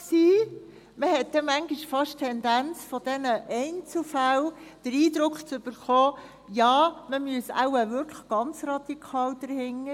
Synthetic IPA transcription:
ksiː | məhɛt̚dɛmæŋɡiʃfɑʃtʰɛndænt͡sfɔd̥ɛnəʔɛɪnt͡slfæld̥əɾiːdɾʊkχt͡sʏb̥əɾχɔː | jɑːməmyəsa̰ʊəvʏɾkʰləχɡ̥ɑnt͡srɑd̪̥ikʰɑːld̥əɾhɪŋːə

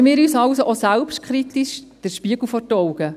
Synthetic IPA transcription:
mɪːɾyːsɑlsoʔosælpʃt̚kʰχɾit̪iʃd̥əɾʃpiəɡ̥l̩fɔtɔwɡə

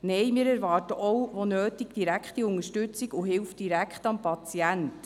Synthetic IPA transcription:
nɛjmɪːɾæɾvɑːrtəʔɔwʋonøːti̥d̥iɾækχtiʊŋəʃtʏt͡siɡuɦɪlfd̥iɾækχtɑmpɑt͡siænt

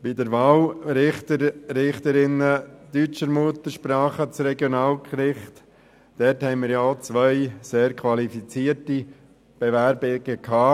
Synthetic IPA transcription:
b̥idəɾʋaːlɾɪχt̪əɾɾɪχt̪əɾɪnəd̪yt͡ʃəɾmuət̪əɾʃpɾɑːχət͡sɾɛɡjonaːlkɾɪχt̪ | d̥ɛthɛɪnmɪːɾjat͡sʋœɪseːɾkʰʋɑlifit͡siːəɾti | b̥eʋæɾbɪɡ̥əkʰhɑː

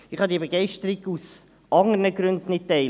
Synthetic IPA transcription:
ɪχhɑdiəbəɡɛɪʃtəɾiɡus | ʔɑŋənəɡɾʉndn̩ːɪt̚tːɛɪ

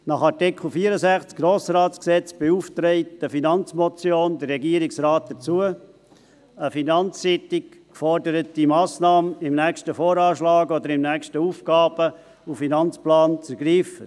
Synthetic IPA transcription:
nɑχɑɾtɪkʰl̩ˠfiəɾəsæχt͡skɡ̥ɾoːsɾaːtsksɛt͡sb̥euːftɾɛɪtd̥əfinɑnt͡smɔt͡sjoːndərːɛɡiəɾɪksɾaːt̚d̥ət͡suə | əfinɑnt͡sːɪtɪk | fɔrdəɾət̚d̥imɑːsnɑːməɪmnæːkʃtəfoːɾɑːʃlɑːɡɔd̪əɾɪmnæːkʃtəuːfɡ̥ɑːb̥ə | ufinɑnt͡splɑːnt͡sɛɾɡɾiːfə

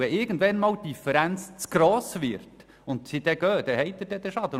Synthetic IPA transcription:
ɛʔɪɾɡən̩d̪vɛnmɑːwd̥ifəɾænt͡st͡sɡ̥ɾoːsʋɪɾt | ʊnt̪sid̪ɛɡ̥øːd̥̪ɛhɛɪt̪ːəd̥ɛd̥̪ɛʃɑd̪ə

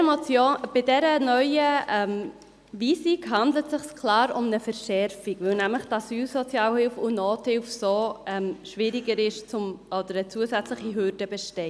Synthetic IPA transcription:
mɔt͡sjob̥ɪdɛɾənœʏəɛm | viːsikɦɑndlətsɪχskʰlɑːɾʊmnəfɛɾʃɛɾfiɡvɪlnæmləχtɑsyːlsɔt͡sjɑːlhɪlfʊnoːthɪlfsoːɛmʃvɪɾiɡəɾɪʃt͡sʊmʔɔd̥̪əɾət͡suəsɛt͡sləχiɦʏɾdəbɛʃtɛɪ

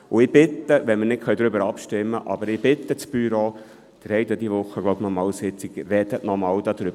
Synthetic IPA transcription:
ʊɪb̥ɪt̪ːəʋɛnmənɪt̚kʰχœɥd̪ɾʏbəɾɑpʃtɪmːəʔɑ̰bəɾɪb̥ɪt̪ːət͡sb̥yɾo | d̪̥ɾɛjd̪ɔd̪iʋʊχːəɡloʊbnɔmɑːwsɪt͡siɡrɛd̪əʔnɔmɑwd̥̪ɑd̪̥ɾʏb

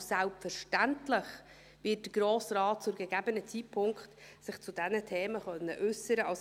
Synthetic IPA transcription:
sælpfəɾʃtæntlɪχ | ʋɪːt̚d̥əɡ̥ɾoːsrɑːt̚t͡sʊɡɛɡæbənət͡sit̚pʰʊŋkχtsɪχt͡sudɛnətʰeːməχœnːəʔʉsəɾəʔɑs

